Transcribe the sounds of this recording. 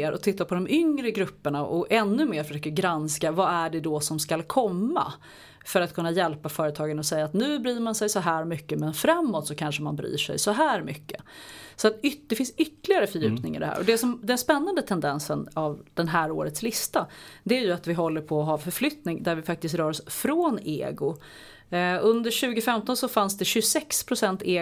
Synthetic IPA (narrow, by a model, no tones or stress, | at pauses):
ɾʔɔ̰t̪ʰɪt̪ːapʰɔd̪ɔmʔʏŋɾəɡɾɵpːəɳaʔɔʔɛnːɵmeːɾfœʂøːkəɾɡɾanskavaæɖɛd̪ɔsɔmskalkʰɔmːa̰ | fœɾat̪̚kʰɵnːajɛlpafœːɾət̪ʰɑːɡənɔsɛjːaːt̪nʉ̟ːbɾyːɾmansɛjsɔɦæːɾmʏkːəmɛnfɾamːot̪sɔkʰanʂəmanbɾy̰ːʂɛ̰jsɔɦæːɾmʏkːə̰sɔat̪ʏd̪̥ɛfɪnsʏt̪ːlɪɡaɾəfœɾjʉ̟ːpnɪŋɪ̰d̪ɛhæ̰ːɾʔɔd̪ɛsɔmd̪ɛnspɛnːand̪ət̪ʰɛnd̪ɛnsənavd̪̥ɛnɦæːɾoːɾət̪slɪst̪ad̪ɛæɾjɵat̪vɪɦɔlːəɾpʰɔːɦɑːfœɾflʏt̪nɪŋd̪æɾvɪfak̚t̪ɪskt̪ɾœːɾɔsfɾoːnḛːɡʊ | ɵnd̪əɕʉ̟ːɡʊfɛmt̪ɔnsɔfansd̪ɛɕɵsɛkspʰɾʊsɛnt̪eː